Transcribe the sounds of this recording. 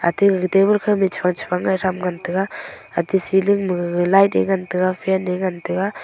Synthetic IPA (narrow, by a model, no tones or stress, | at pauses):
a̰tiɡtebɯlkʰɯmit͡ʃʰpʰaŋt͡ʃʰpʰaŋːajɾamɡantʰɯɡaatisilɯŋmɯlajtḛŋɡantɯɡapʰaneŋantɯɡa